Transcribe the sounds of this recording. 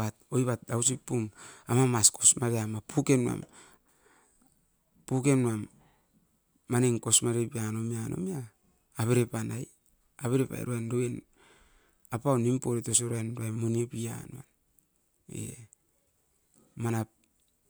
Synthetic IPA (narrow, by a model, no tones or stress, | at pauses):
at̚ojβat̚dawsipːumamamasko̞smaɾeamapukenua̰m | puke̞nuam | aneŋkosmaɾepianomiano̰miaː | βeɾepanaj | aβeɾepa̰j̰ɾoajnɾoen | apawnimpoɾetosoɾoajnɾoajmonepia̰nua̰n | ḛ | manap̚